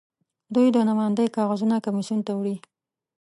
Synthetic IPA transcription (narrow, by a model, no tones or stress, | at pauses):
d̪ujd̪ənamɑjand̪əjkɑɣazunakamisunt̪awɽi